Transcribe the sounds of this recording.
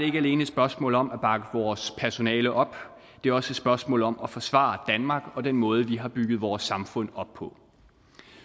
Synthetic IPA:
d̥ee̝ɡ̥æle̝ːnəe̥sb̥ɶɐsmɔ̰̽ːl̩ˠɒ̽mæb̥ɑ̈ɡ̥əʋɒːspʰæɐso̝nɛ̰ːləʔɒ̽b̥ | d̥e̝æɐɒ̽səsb̥ɶɐsmɔ̰̽ːl̩ˠɒ̽mæfɒ̽sʋɑ̰̈d̥ænmɑ̈ːɡ̥ɒ̽d̥enmɔ̽ːð̞ˠəʋiɦɑ̈b̥yɡ̥ð̞̩ˠʋɒːsːɑ̈mfɔ̽n̰ɒ̽b̥pʰɔ̽

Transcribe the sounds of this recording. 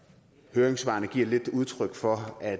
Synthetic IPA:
høːɐeŋsʋɑ̈ːnəɡ̥iɐ̰le̝d̥uð̞ˠt͡sʰʁœɡ̥fɒ̽æ

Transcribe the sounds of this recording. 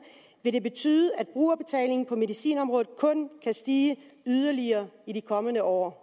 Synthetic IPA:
ʋe̝ɾe̝b̥e̝t͡sʰy̰ːðˠəæd̥̚b̥ʁṵːɐb̥e̝t͡sʰɛ̰ːle̝ŋn̩pʰɒ̽me̝ðˠisḭːnɒ̽mʁɔ̽ːð̩ˠkʰɔ̽nkʰæsd̥iːəyð̞ˠɐliɐːiɾikʰɒ̽mənəʔɒ̰ː

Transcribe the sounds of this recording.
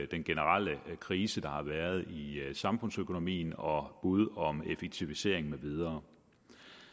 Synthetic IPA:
d̥enɡ̥e̝nəʁal̰əkʰʁiːsəd̥ɑ̈hɑ̈ʋæɐð̞ˠisɑ̈mfɔ̽n̰søkʰo̝no̝mḭːnɒ̽b̥uð̞ˠɒ̽mefeɡ̥̚t͡sʰiʋise̝ɐ̰eŋ̩meʋið̞ˠɐː

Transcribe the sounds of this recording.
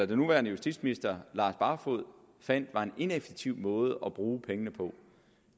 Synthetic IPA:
æd̥e̝nuʋæɐnəjusd̥ḭd̥sminisd̥ɐlɑ̈ːsb̥ɑ̈fo̝ð̰ˠ | fæn̰d̥ʋɑ̈e̝ne̝nefeɡ̥̚t͡sʰiʊ̰mɔ̽ːð̞̩ˠəʔɒb̥ʁuːpʰeŋənəpʰɒ̽

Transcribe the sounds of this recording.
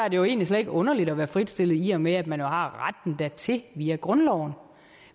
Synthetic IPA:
æɐd̥e̝jo̝e̝̰ːnlisled̥eɡ̥ɔ̽nɐlid̥ɒ̽ʋæːɐfʁid̥sd̥e̝l̰ð̩ˠiɒmeæd̥mænjo̝hɑ̈ʁad̥n̩d̥æt͡sʰe̝ʋiːæɡ̥ʁɔ̽nlɒʊ̰n̩

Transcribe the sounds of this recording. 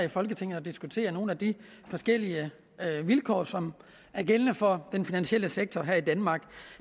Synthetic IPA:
ifɒ̽lɡ̥ət͡sʰe̝ŋ̰n̩ˠɒd̥isɡ̥ut͡sʰe̝̰ːɐno̝ːn̩æd̥i | fɒ̽sɡ̥el̰iə | ʋilkʰɒ̰ːsɒ̽m | æɐɡ̥elənəfɒ̽d̥enfinænɕiel̰əseɡ̥̚t͡sʰɒɦæɐid̥ænmɑ̈ːɡ̥

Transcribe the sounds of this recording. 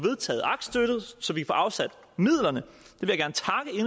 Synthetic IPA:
ʋe̝ð̞ˠt͡sʰɛ̰ːð̩ˠʔɑ̈ɡ̥d̥sd̥øɾ̥ð̩ˠsɒ̽ʋikʰæfɒ̰ːʔɑ̈ʊsæd̥ | mið̰ˠlɐnə | d̥e̝ʋe̝jäɡ̥æɐnət͡sʰɑ̈ɡ̥əe̝n

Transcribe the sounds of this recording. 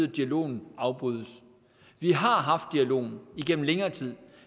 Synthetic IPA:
ð̩ˠd̥iælo̝̰ːn̩ɑ̈ʊb̥ʁyðˠəs | ʋiɦɑ̈ɦɑ̈fd̥ːiælo̝̰ːn̩iɡ̥en̰m̩leŋɐːt͡sʰið̰ˠ

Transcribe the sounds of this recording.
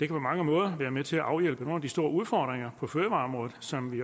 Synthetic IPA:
d̥e̝kʰæpʰɒ̽mɑ̈ŋəmɔ̽ːð̞ˠɐʋæːɐmet͡sʰe̝læʔɑ̈ʊjel̰b̥əno̝ːnæd̥isd̥o̝ːɐuð̞ˠfɒ̰ːd̥ʁeŋɐpʰɒ̽føːɐʋɑ̈ːɒ̽mʁɔ̽ːðð̩ˠsɒ̽mʋi

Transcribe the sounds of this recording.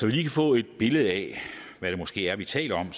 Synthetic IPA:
sɒʋiliːkʰæfɔ̰̽ːe̝d̥̚b̥e̝ləð̞̩ˠæʋæɾ̥emo̽sɡ̥e̝̰ːæɐʋit͡sʰɛ̰ːlɐɒ̽m

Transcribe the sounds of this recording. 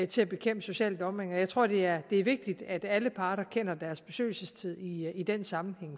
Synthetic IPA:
t͡sʰe̝æb̥e̝kʰem̰b̥əso̝ɕɛ̰ːld̥ɒ̽meŋɒjɑ̈ɪt͡sʰʁo̝ɐ̰d̥e̝æɐd̥e̝æɐʋe̝ɡ̥̚d̥id̥æd̥æləpʰɑ̈ːɾ̥ɐkʰen̰ɐd̥æɐsb̥e̝sø̰ːɪl̩səst͡sʰið̰ˠiid̥ensɑ̈mn̩heŋ̰

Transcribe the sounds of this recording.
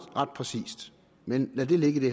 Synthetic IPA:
ʁɑ̈d̥̚pʰʁɛsḭːsd̥ | menlæd̥e̝le̝ɡ̥əd̥e̝

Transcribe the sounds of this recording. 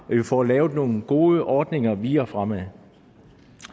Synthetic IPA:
ɒjifɒ̰lɛːʊð̩ˠno̝ːn̩ɡ̥o̝ːəʔɒːd̥ne̝ŋɐʋiːɒfʁamæðˠ

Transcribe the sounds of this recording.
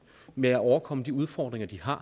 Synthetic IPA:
meæɒʊɐkʰɒ̽məd̥iuð̞ˠfɒːd̥ʁeŋɐd̥iɦɑ̈

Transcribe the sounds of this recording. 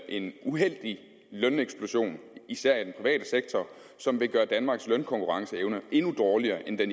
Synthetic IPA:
ʔe̝nuɦel̰d̥i | lœneɡ̥sb̥lo̝ɕo̝̰ːnisæɐ̰id̥enpʰʁiʋɛ̰ːd̥əseɡ̥̚t͡sʰɒ | sɒ̽mʋe̝ɡ̥ɶːɐd̥ænmɑ̈ːɡ̥slœnkʰɒ̽ŋkʰuʁɑ̈ŋsəeʊnəʔe̝nud̥ɒːliɐːʔend̥en

